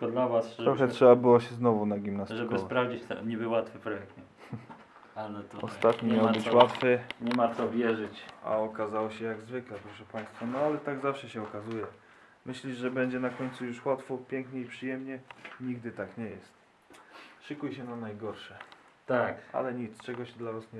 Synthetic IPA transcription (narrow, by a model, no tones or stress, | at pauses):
kɔd̪lavasɾɔxɛttʂɛbabɘwaɕɛznɔvunaɡʲimnastʐɛkɔsvpɾavd͡ʑit͡ɕt̪ɛ̰ɲɛbɘwat̪fɘpɾɔjɛk̚t̪ɲɛ | alɛt̪ɔɔstt̪at̪ɲimʲjawbɘt͡ɕwat̪fɘɲɛmasɔvʲjɛʐɘt͡ɕa̰ɔkazawɔɕɛjaɡzvɘklɛpɾɔʂɛpaj̃st̪fanɔalɛt̪aɡzafʂɛɕɛɔkazujɛ | mɘɕlʲiʐʐɛbɛɲd͡ʑɛnakɔɲʲt̪sujuʂwat̪fɔpʲjɛŋkɲɛipʂɘjɛmɲɛɲiɡ̚d̪ɘt̪akɲɛjɛst̪ | ʂɘkujɕɛnanajɡɔɾʂɛ | t̪akʔa̰lɛɲit̪st͡ʂɛɡɔɕɛd̪lavasɲɛ